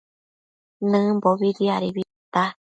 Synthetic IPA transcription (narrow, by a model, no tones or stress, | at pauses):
nɨ̃mboβiɾiaɾiβi | t̪a